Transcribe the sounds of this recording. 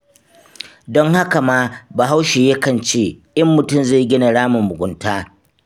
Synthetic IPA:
dɔ˦ŋha˦ka˨maː˦ba˨ɦa˦wʃeː˨je˦kɐ˦˨nt͡ʃeː˦ʔɐ˦mːʊ˨tʊ˦˨mza˦˨ɡʲɪ˦na˨ɽaː˦mʊ˨mːʊ˨ɡʷʊ˨˦ntaː˦

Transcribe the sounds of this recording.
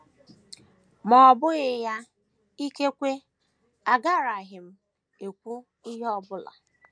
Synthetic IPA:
mɔ˨bʊ˦ɣɪ˦˨ja˦ | i˦ke˦kʷe˦ | a˨ɡa˦˨ɾa˨ɦɪ˨m̩˦ | e˨kʷu˦ | i˦ɦe˦ɔ˦bʊ˦la̰˨

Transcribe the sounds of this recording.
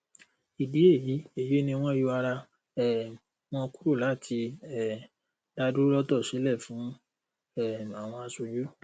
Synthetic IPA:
i˨di˨˦e˦˨ji˨˦e˦˨jo˨˦nĩ˧w̃ɔ̃˦ju˧˦a˧ɾa˧ | ɛ˦˨ | w̃ɔ̃˧˦ku˦ɾu˦˨la˨˦˨tʰi˧ɛ˨ | da˧du˦lɔ˦tɔ˦˨si˨˦lɛ˦˨fũ˨˦ | ɛ˦˨a˨w̃ɔ̃˧a˧su˧d͡ʒu˦

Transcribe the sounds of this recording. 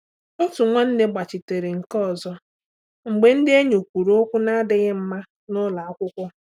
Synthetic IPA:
o˦tʊ˨ŋʷɔ˦n̩˦de˦ɡ͡ba˨t͡ʃɪ˨te˨ɾe˨ŋ̩˨kɔ˦˨zɔ˦ | ŋ͡m̩˨ɡ͡be˨n̩˦dɪ˦e˦ɲo˨kʷu˨ɾo˦o˦kʷʊ˦na˦dɪ˨ɣɪ˦m̩˦ma˦ | nʊ˦la˨a˦kʷʊ˦kʷʊ˦

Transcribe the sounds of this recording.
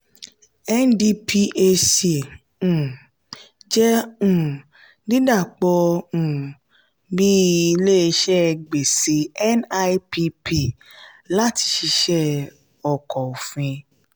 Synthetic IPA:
ɛ˦ndi˧pʰi˧ʔe˧se˨ | ũ˨ | d͡ʒɛ˦ũ˨ | di˦da˦˨k͡pɔ˧ũ˨ | bi˦i˧le˦˧ʃɛ˦˧ɡ͡be˨si˨˦ɛ˦na˧˦pi˧pi˦˨ | la˦ti˧ʃi˧ʃɛ˦˨ | ɔ˨kɔ˨o˨fĩ˧

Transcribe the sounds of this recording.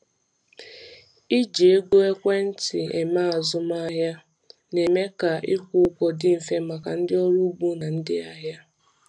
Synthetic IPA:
i˦d͡ʒe˨e˦ɡo˦e˦kʷe˦n̩˦tɪ˨e˨ma˦a˨zʊ˦m˦a˦ɦja˦ | ne˨me˦ka˨ʔɪ˦kʷʊ˦kʷɔ˨dɪ˦m̩˨fe˦ma˨ka˨n̩˦dɪ˦ɔ˦ɾu˦bu˦na˨n̩˦dɪ˦a˦ɦja˦

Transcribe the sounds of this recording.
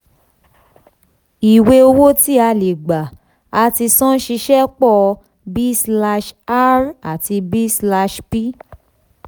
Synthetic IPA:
i˨we˧o˧wo˦ti˦a˧le˨ɡ͡ba˨ | a˧ti˧sɔ̃˦ʃi˧ʃɛ˦k͡pɔ˦˧ | bi˦sla˧ʃa˦ɾa˨ti˧bi˦sla˧ʃpi˦

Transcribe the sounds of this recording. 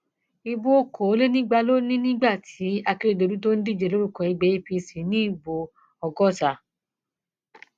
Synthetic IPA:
i˧bo˦o˦ko˨˦le˦nĩ˦ɡ͡ba˧lo˦nĩ˦nĩ˦ɡ͡ba˦˨tʰi˨˦a˧ki˦ɾe˦˨do˧ɾu˦to˦n̩˦di˦˨d͡ʒe˨lo˦ɾu˦˨kɔ̃˧˨i˨˧ɡ͡bɛ˨˦i˦˧pi˧si˨˦nĩ˨˦i˦˨bo˨ | ɔ˧ɡɔ˦sa˨

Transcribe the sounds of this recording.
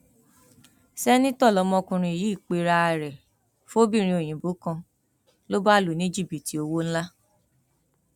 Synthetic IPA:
sɛ˦nĩ˦tɔ˦˨lɔ˨˧˦mɔ̃˧kũ˧ɾ̃ĩ˧i˨ji˦˨k͡pe˧ɾa˧a˨ɾɛ˨ | fo˦bi˦˨ɾ̃ĩ˧o˨j̃ĩ˨bu˨˦kã˧ | lo˦ba˦˨lu˨nĩ˦d͡ʒi˦˨bi˨ti˨o˧wo˦n̩˦la˦

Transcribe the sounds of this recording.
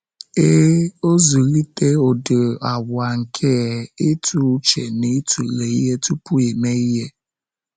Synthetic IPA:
e˦o˦zu˨ɣi˦te˦o˨do˨a˨bʊ˨a˨ŋ̩˨kʰe˦e˦tʰu˦t͡ʃe˨ni˦tu˨le˨i˦ɦe˦tu˦pu˦e˨me˦i˦ɦe˦

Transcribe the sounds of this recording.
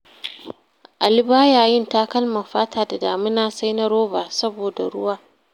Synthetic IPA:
ʔa˨lɪ˦baː˦jaː˨jɪ˦nta˦kɐ˦lmɐ˨ɸaː˦tʰaː˨da˨daː˨mɪ˦naː˦sa˦jnɐ˦ɾoː˦baː˨sɐ˦boː˨da˨ɽʊ̰˦waː˦

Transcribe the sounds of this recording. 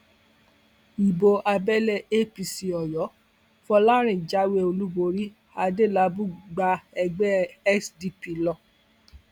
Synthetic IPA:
i˨bo˧ʔa˧bɛ˦lɛ˦˧e˦pi˧si˧ɔ˨jɔ˨˦ | fɔ˧la˦ɾ̃ĩ˨d͡ʒa˦we˦o˧lu˦bo˧ɾi˦ | a˧de˦˨la˧˦bu˦ɡ͡ba˧ɛ˧ɡ͡bɛ˦ɛ˦sdi˧pi˧lɔ˧˨

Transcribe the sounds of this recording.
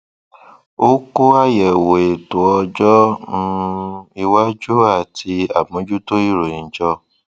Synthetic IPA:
o˦ko˦a˦˨jɛ˨wo˨e˨to˨ɔ˧d͡ʒɔ˦nũ˦i˧wa˦d͡ʒu˦a˦˨tʰi˧a̰˨bõ˨˦d͡ʒu˦to˦i˦˨ɾo˨ĩ˨˦d͡ʒɔ˧

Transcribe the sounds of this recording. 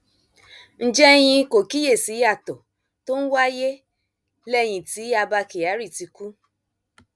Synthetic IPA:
n̩˦d͡ʒɛ˦j̃ĩ˧ko˨ki˦je˦˨si˨˦ja˦˨tɔ˨ | to˦n̩˦wa˦je˦ | lɛ˦˨j̃ĩ˧˨ti˨˦a˧ba˧ke˨a˨˦ɾi˦˨ti˧ku˦

